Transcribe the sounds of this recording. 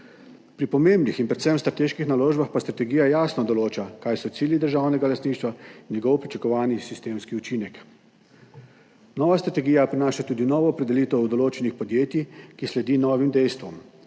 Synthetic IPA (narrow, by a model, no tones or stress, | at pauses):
pɾipɔmembnixinpɾɛt̪sɛmst̪ɾat̪eːʃkixnaloːʒbaxpast̪ɾat̪ɛɡiːjajaːsnɔd̪ɔloːt͡ʃakajsɔt̪siːljid̪əɾʒawnɛɡalast̪niʃt̪ʋainnjɛɡɔwpɾit͡ʃakɔʋaːnisist̪eːmskiut͡ʃiːnɛk | nɔːʋast̪ɾat̪ɛɡiːjapɾinaːʃat̪uːd̪inɔːʋɔːpɾɛd̪ɛliːt̪ɔud̪ɔloːt͡ʃɛnixpɔd̪jeːt̪jikislɛd̪iːnɔːʋimd̪ɛjst̪ʋɔm